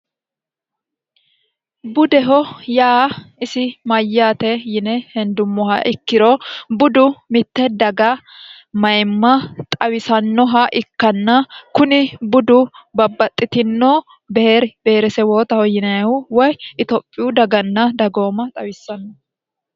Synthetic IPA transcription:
bʊd̪ɛɦɔjaːɪsɪmɐjːaːt̪ɛjɪnɛhɛnd̪ʊmːɔɦɐ̰ʔɪkːɪɾɔbʊd̪ʊmɪt̪ːɛd̪ɐɡɐ | mɐjmːɐt̪ʼɐwɪsɐnːɔɦɐʔɪkːɐnːɐkʊnɪbʊd̪ʊbɐbːɐt̪ʼːɪt̪ɪnːo | bɛɾb̥ɛɾɛsɛwoːt̪ɐhɔjɪnɐɐʊwɔjʔɪt̪ɔpʼːɪjʊd̪ɐɡɐnːɐd̪ɐɡo̞ːmɐt̪ʼɐwɪsːɐnːɔ

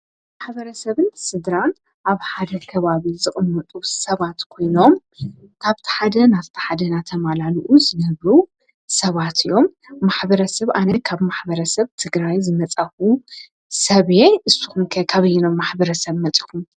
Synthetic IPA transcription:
maħbɐɾɐsɐβɨnsɨd̪ɾan | ʔaβħad̪ɐkʰɐβaβizɨχʼɨmːɐt̪ʼusɐβat̪kʰo̞jno̞m | kʰaβt̪ʰi̥ħad̪ɐnavt̪ʰi̥ħad̪ɐnat̪ʰɐmalaliʔuzɨnɐβɾu | sɐβat̪ɨjːo̞mː | aħbɐɾɐsɐβʔanɐkʰaβmaħbɐɾɐsɐβt̪ʰɨɡɾajzɨmɐt͡sʼɐxu | sɐβeʔɨsːuxumkʰɐkʰaβɐjinomːaħbɐɾɐsɐβmɐt͡sʼi̥kum

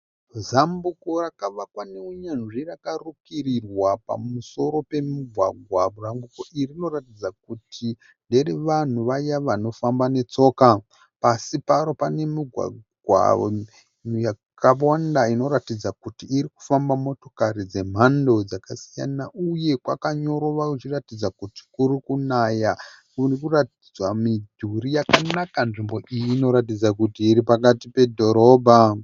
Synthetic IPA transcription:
zambuko̞rakaʋakwaneuɲanʐirakarukirirwapa̰muso̞ɾo̞pe̞muɡʱwaɡʱwaβuramɡuko̞ʔirino̞ratid͡zak̚utʰi | nde̞reʋan̤uʋajaʋano̞fambane̞t͡so̞ːka | pasipaɾo̞pane̞muɡʱwa̰ɡwa̰ | uja | kʰaandaino̞ɾatid͡zakutiːɾiku̥fambamo̞to̞karid͡ze̞m̤ando̞d͡zakasija̰naʔuje̞kwa̰kaɲo̞ɾo̞ʋakut͡ʃiratid͡zakuti̥kurikunaja | kurikuratid͡zwamid͡ʒʱuɾijakanakanʐimbo̞ʔijiːno̞ɾat̬id͡zakutiːɾipak̬atipe̞dʱo̞ɾo̞ːbʱa

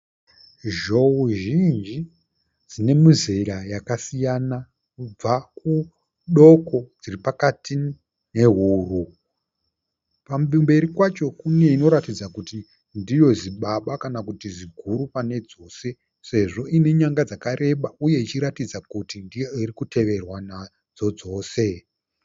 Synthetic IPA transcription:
ʒo̞uʒind͡ʒi | d͡zine̞muzeɾajakasijana | kub͡vaku | ɗo̞ko̞d͡ziripakati | ne̞ɦuːru | pambimbe̞ɾikwat͡ʃo̞kune̞ino̞ɾatid͡zakuti | ndijo̞ziɓaɓakanakutiʐiɡʱuɾupane̞d͡zo̞ːse̞ | se̞ʐo̞ʔine̞ɲaŋɡad͡zakaɾe̞ɓauje̞it͡ʃiɾatid͡zakutindijoirikutʰe̞ʋe̞rwana | d͡zo̞d͡zo̞ːse̞

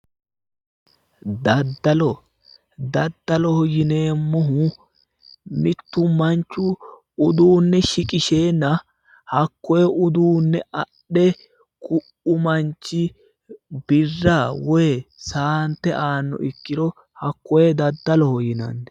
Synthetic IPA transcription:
d̪ɐd̪ːɐlɔ | d̪ɐd̪ːɐlɔhɔjɪne̞ːmːʊɦu | mɪt̪ːʊmɐnt͡ʃːʊ | ʊd̪uːnːɛʃɪkʼɪʃeːnːɐ | hɐkːɔjɛʔʊd̪uːnːɛʔɐɗːɛ | kʰʊʔʊmɐnt͡ʃːɪ | bɪrːaːwɔjɛsaːnt̪ːɛʔaːnːɔ̰ʔɪkːɪd̪ɔ | hɐkːɔjɛd̪ɐd̪ːɐlɔhɔjɪnɐ̰nːɛ

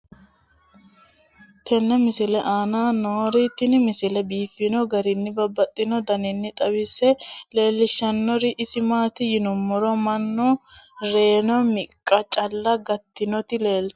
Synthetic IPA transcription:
t̪ɛnːɛmɪsɪlɛʔaːnaːnoːɾɪt̪ɪnɪmɪsɪlɛbiːfɪnɔɡɐɾɪnːɪbɐbːɐt̪ʼːɪnɔd̪ɐnɪnːɪt̪ʼɐbɪsɛle̞ːlːɪʃɐnːɔɾɪʔɪsɪmaːt̪ɪjɪnʊmːɔɾɔmɐnːɔɾe̞ːnɔmɪkʼːɐt͡ʃʼɐlːɐɡɐt̪ːɪnɔt̪ɪleːl

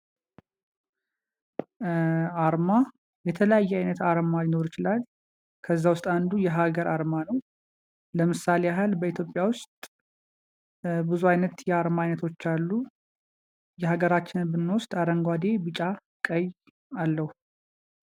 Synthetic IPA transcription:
aɾma | jɛt̪ʰələjajːɛajnət̪aɾmalino̞ɾjɪt͡ʃɪlal | kʰəzːawʊst̪ʼand̪ujɛɦaɡəɾʔaɾmanəw | ləmɨsːaleaɦalbəit̪ʰjo̞pʼːjawʊst̪ʼ | bɨzuajnət̪jɛaɾmaajnət̪ʰo̞t͡ʃːalːu | jɛhaɡəɾat͡ʃːɪnbɨnːost̪ʼaɾəŋɡʷad̪e̞bɨt͡ʃʼa | kʼəj | alːəhu

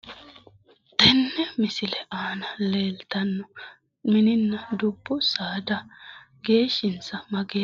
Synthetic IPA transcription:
t̪ɛnːɛmɪsɪlɛʔaːnɐleːlt̪ɐnːɔ | mɪnɪnːɐd̪ʊbːʊsaːd̪ɐ | ɡe̞ːʃːɪnt͡sːɐmɐɡeː

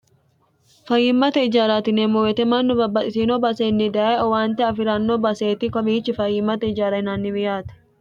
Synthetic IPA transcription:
fɐjɪmːɐt̪ɐɪd͡ʒaːɾaːt̪ɪneːmɔwɛt̪ɛmɐnːʊbɐbːɐt̪ɪsinobɐseːnːɪd̪ɐːɛɔwaːnt̪ɛɐfɪɾɐnːoːbɐseːt̪ɪkɔmiːt͡ʃːɪfɐjɪmːɐt̪ɐɪd͡ʒaːɾɐɪnaːnːɪbɪjaːt̪ɛ̥

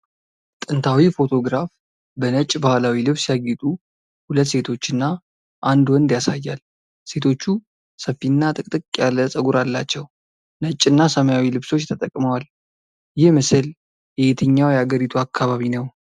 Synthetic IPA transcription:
t̪ʼɨnt̪ʰawifo̞t̪ʰo̞ɡɾaf | bənət͡ʃʼbahlawilɨβsjaɡɪt̪ʼu | hulət̪ːse̞t̪ʰo̞t͡ʃːɨnːa | ʔand̪wɔnd̪jasajːal | se̞t̪ʰo̞t͡ʃːu | səfːinːat̪ʼɨkʼt̪ʼɨkʼjaləsʼəɡuɾalːat͡ʃːɛw | nət͡ʃʼːɨnːasəməjawilɨβso̞t͡ʃːt̪ʰət̪ʼəkʼməwal | jɪhmɨsɨl | jɛjet̪ʰəɲːawjɛaɡəɾit̪ʰuakʰːaβaβinəw

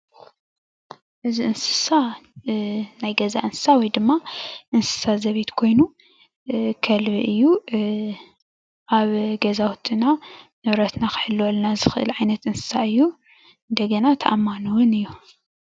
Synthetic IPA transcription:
ʔɨziɨnsɨ̥sa | najɡɐzaʔɨnsɨ̥sawɔjd̪ɨmːaʔɨnsɨ̥sazɐβit̪kʰo̞jnu | kʰɐlβiʔɨjːu | ʔaβɡɐzawʊt̪ʼɨnanɨβɾɐt̪nakɨħɨlːwolnazɨxɨʔɨ̰lʕajnɐt̪ʔɨnsɨ̥saɨjːu | ɨnd̪ɐɡɐnat̪ʰɐʔamːanuwʊnɨjːu

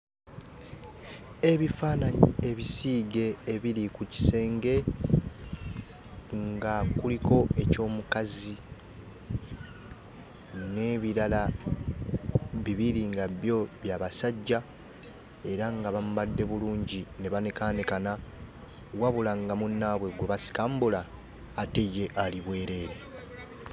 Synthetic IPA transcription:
e̞βifaːnaɲie̞βisiːɡe̞ːβilikuci̥se̞ːŋɡe̞ | ŋɡakuliko̞e̞co̞ːmukazi | ne̞βiɾala | βiβiɾiŋɡaβjo̞βjaβasaɟːa | e̞ɾaŋɡaβamuβadːe̞βuluːɲɟine̞βanekaːnekana | waβulaŋɡamunːaβwe̞ɡweβasi̥kaːmbulaː | te̞je̞ʔaliβwe̞ːɾe̞ːɾe̞

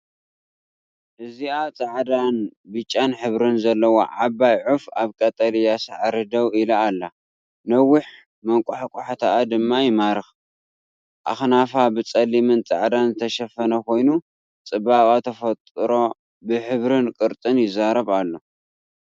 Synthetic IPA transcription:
ʔɨziat͡sʼaʕd̪anbɨt͡ʃʼːanħɨβɾɨnzɐlːɐwo̰ʕabajʕufaβkʼɐt̪ʼɐlijasaʕaɾɨd̪ɐwilaːlːa | nɐwːʊħ | mɐŋkʷʼʊħakʼʊħat̪ʰaʔːd̪ɨmːajɪmaɾɨx | ʔa̰xnafabɨt͡sʼɐlːimɨnt͡sʼa̰ʕd̪anzɨt̪ʰɐʃɐfɐnɐkʰo̞jnu | t͡sʼɨbaβʼat̪ʰɐfɐt̪ʼɾo̞ | bɨħɨβɾɨnkʼɨɾt̪ʼɨnjɪzaɾɐβalːo̞

